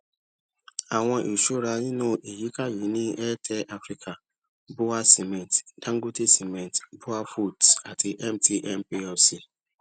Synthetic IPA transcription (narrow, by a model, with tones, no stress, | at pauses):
a˨w̃ɔ̃˧ʔi˨ʃo˦ɾa˧nĩ˦nũ˦ʔe˨ji˨˦ka˦ji˨˦nĩ˦ʔɛ˦tʰɛ˦ʔa˦fɾi˦kʰa˨ | bo˦a˦si˨mɛ̃˨td̥ã˦ŋ˦ɡo˦te˦si˨mɛ̃˨tbo˦a˦fu˦˨da˨ti˧ʔɛ˦mtʰi˧ʔɛ˦˨mpe˧ɛ˨si˧